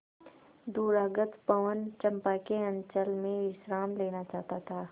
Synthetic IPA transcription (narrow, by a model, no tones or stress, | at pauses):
d̪uːɾaːɡət̪pɐʋənt͡ʃɐ̃mpakeɐ̃ɲt͡ʃəlmẽʋɪʃɾaːmleːnat͡ʃaːɦt̪at̪ʰaː